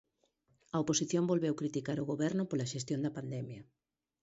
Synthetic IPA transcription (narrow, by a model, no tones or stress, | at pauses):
ɐoposiθjombolβɛwkɾit̪ikaɾoɣoβɛɾnʊpolɐʃest̪jond̪ɐpand̪ɛmjɐ